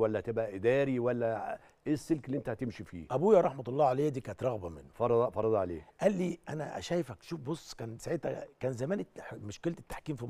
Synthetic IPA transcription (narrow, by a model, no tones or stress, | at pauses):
wælːæht̪ebʔæʔɪd̪æːɾiwælːæ | ʔesːelkelːiʔent̪æhæt̪emʃifḭːʔæbuːjæːɾˤɑħmɑt̪ɑlˤːɑːʕalæːjːæd̪iːkæːnet̪ɾˤɑɣbæmɪnːfɑɾˤɑd̪ˤfɑɾˤɑd̪ˤʕalḛːʔælːiːʔæ̰næ̰ʔæ̰ʃæːjefækʃuːfbosˤːkæːnsaʕet̪hækæːnzæmæːnemoʃkelt̪e̥t̪ːḁħkiːmfim